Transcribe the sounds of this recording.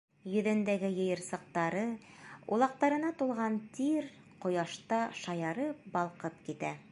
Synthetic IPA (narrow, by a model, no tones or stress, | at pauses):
jɵ̆ðɘ̆nd̪æɡɘjɤ̆jɤ̆ɾsɤ̆q̚t̪ɑɾɤ | ṵlˠɑq̚t̪ɑɾɤ̆nɑt̪ulˠʁɑnt̪iɾ | qŏjɑʃt̪ɑʃɑjɑɾɤp̚bɑlˠqɤpkit̪æ